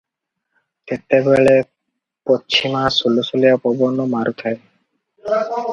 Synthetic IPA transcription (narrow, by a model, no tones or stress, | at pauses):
et̪ebeɭe | pot͡ʃʰimasulusuliapɔbɔnomaɾut̪ʰae